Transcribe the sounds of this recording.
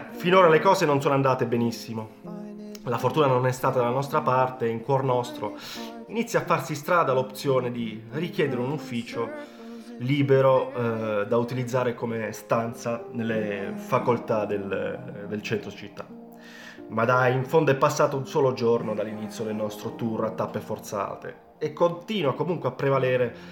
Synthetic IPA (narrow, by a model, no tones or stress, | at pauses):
finoːɾalekɔːzenonsoːnoand̪aːt̪ebenisːimo | lafort̪uːnanonɛst̪aːt̪ad̪alanɔst̪ɾapart̪eiŋkwɔrnɔst̪ɾo | init̪sːjafːarsist̪ɾaːd̪alopt̪sjoːned̪irikjɛːd̪eɾeunufːiːt͡ʃo | liːbeɾo | d̪aut̪ilid̪zːaːɾekomest̪ant̪sanelːefakolt̪ad̪eld̪elt͡ʃɛnt̪ɾod̪it͡ʃit̪ːa | mad̪aiɱfond̪oɛpːasːaːt̪ounsɔːlod͡ʒornod̪alːinit̪sjod̪elnɔst̪ɾot̪urat̪ːapːefort̪sa̰ːt̪ḛ | ekːont̪iːnwakomuŋkweapːɾevalɛːɾe